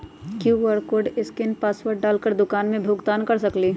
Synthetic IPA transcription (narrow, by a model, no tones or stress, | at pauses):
kjuːʋəɾkoːɾɖɪskɪnpaːswəɾʈ̚ɖaːlkəɾd̪ʊkaːnmẽbʱʊɡt̪aːnkɐɾsɐkliː